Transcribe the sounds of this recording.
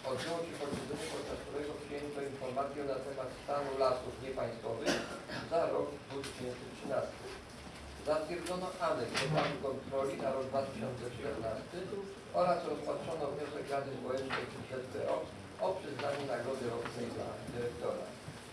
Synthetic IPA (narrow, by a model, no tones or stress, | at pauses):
ɔd̪bʲjɛwɔɕɛpɔd̪vʲɛd̪zɛɲɛpɔt̪t͡ʂast̪uɾɛɡɔpʂɘjɛnt̪ɔinfɔɾmat̪sʲjɛnat̪ɛmat̪st̪anulasufɲɛpaj̃st̪fɔvɘxzaɾɔɡd̪vut̪ɘɕɛnt̪sɘtʂɘnast̪ɘ | zat̪fʲjɛɾd̪zɔnɔʔamɛtɔt̪ɾad̪ukɔnt̪ɾɔlʲinaɾɔɡ̚d̪vat̪ɘɕɔnt̪sɛt͡ʂt̪ɛɾnast̪ɘ | ɔɾasɾɔspatʂɔnɔvɲɔsɛkɾad̪ɘzvɔwɛnt͡ʂnɛjiɕɛt̪p̪ɛʔɔ | ɔpʂɘznaɲunaɡɾɔd̪ɘɾɔtnɛjd̪la̰d̪ɘɾɛk̚t̪ɔɾa̰